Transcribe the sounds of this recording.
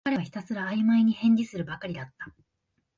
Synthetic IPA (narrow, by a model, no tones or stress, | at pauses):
aɾeaçi̥t̪asɨɾaːimaiɲ̟ihẽ̞ɲ̟dʲisɨɾɯ̟bakaɾʲid̪at̪ːḁ